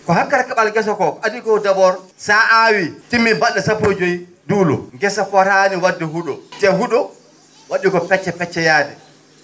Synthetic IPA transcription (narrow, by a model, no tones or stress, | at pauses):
kɔhakːaɾkaɓalɡɛs̬ɔkɔʔadikɔdaɓɔɾsaʔawitimːibaɗːasapod͡ʒojduːlɔ̰ɡɛsafɔɾaniwadːɛɦuɗɔt͡ʃɛɦuɗɔ | waɗikɔpɛt͡ʃːɛpɛt͡ʃːɛjaːdɛ̰